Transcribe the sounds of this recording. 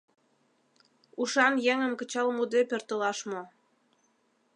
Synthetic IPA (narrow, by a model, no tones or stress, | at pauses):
uʃɑnjɛŋə̆mkə̆t͡ɕɑlmud̪epørt̪ə̆lɑʃmo